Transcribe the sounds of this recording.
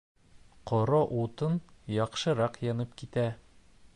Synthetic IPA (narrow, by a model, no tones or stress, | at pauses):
qɒɾɑʔut̪ɤnjɒqʃɤ̆ɾɑqjɒnɤpkit̪æ